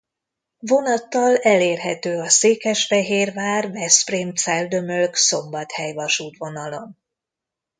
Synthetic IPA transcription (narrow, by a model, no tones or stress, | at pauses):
vo̞nɒt̪ːɒlɛleːrɦɛt̪øːɒseːkɛʃfɛɦeːrvaːrvɛsprimt̪sɛld̪ø̞mølkso̞mbɒt̪hɛjvɒʃuːt̪ʋo̞nɒlo̞n